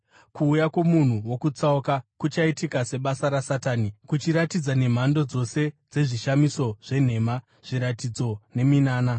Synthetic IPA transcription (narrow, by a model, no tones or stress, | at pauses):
kuːjakwo̞mun̤uwokut͡saokakut͡ʃaitikase̞ɓasaɾasataːnikut͡ʃiɾatid͡zane̞m̤ando̞d͡zo̞se̞d͡ze̞ʐiʃamiso̞ʐe̞n̤e̞ma | ʐ̥iɾatid͡zo̞ne̞minaːna